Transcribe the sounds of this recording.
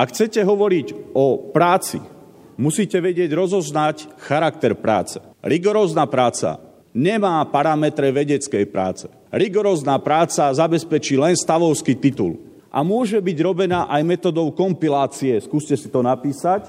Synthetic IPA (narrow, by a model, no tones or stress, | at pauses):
ʔakxt͡sɛcɛɦɔʋɔɾiɟɔpɾaːt͡sḭ | musiːcɛʋɛɟɪɛɟɾɔzɔznacxaɾak̚t̪ɛɾpɾa̰ːt͡sɛ̥ | ɾiɡɔɾɔːznaːpɾaːt͡sa̰ | ɲɛmaːpaɾamɛt̪ɾɛʋɛɟɛt͡skɛjpɾa̰ːt͡sɛ̥ | ɾiɡɔɾɔːznaːpɾaːt͡sazabɛspɛt͡ʃiːlɛnst̪aʋɔʊskit̪it̪ṵl | ʔa̰mʊɔʒɛbiɟɾɔbɛnaːʔajmɛt̪ɔːd̪ɔʊkɔmpilaːt͡siɛskuːscɛsit̪ɔnapiːsac